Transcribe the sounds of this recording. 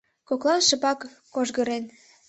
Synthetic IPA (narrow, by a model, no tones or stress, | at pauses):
koklˠɑnʃə̆pɑkː | oʒɣə̆ɾen